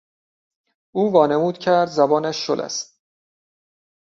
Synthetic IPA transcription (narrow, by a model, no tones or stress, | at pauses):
uːvɒːne̞muːd̪̥cʰæɾd̪zæbɒːnæʃːo̰lʔæ̰st̪̚